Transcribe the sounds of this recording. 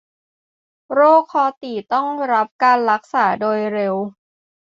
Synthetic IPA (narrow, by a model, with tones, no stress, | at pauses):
ɾoː˥˩kʰːɔː˧t̪iː˨˩t̪ɔ˥˩ŋɾa˦˥p̚kaː˧nɾa˦˥k̚saː˩˦doː˧jɾe˧w